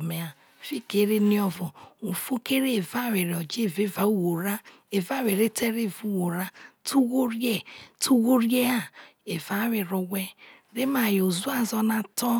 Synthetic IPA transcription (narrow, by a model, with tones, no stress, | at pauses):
me˨a˨ | fi˦ke˦ɾe˦ni˦ɔ˦vɔ˨u˨fo˦ke˦ɾe˦˨va˦˨we˨ɾɔ˨d͡ʒe˦˨ve˦va˨u˦˨wo˨ɾa˦ | e˨va˦we˨ɾe˦tʰe˦ɾe˦˨vu˦˨wo˨ɾa˦tʰu˦ɣo˦ɾje˦tu˦ɣo˦ɾje˦a˦e˨va˨˦we˨ɾo˨wʷe˦ | ɾe˦ma˨jo˨zu˦a˦zɔ˦na˨tɔ˦